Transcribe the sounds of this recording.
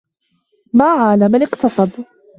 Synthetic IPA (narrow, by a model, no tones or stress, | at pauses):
maːʕaːlamalɪqt̪ɑsˤɑd̪ˤ